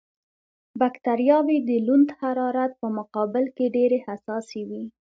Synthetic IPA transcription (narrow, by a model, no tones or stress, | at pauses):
bakt̪aɾjɑwid̪əlund̪haɾɑɾat̪̚pəmʊqɑbɪlkeɖeɾehasɑsewi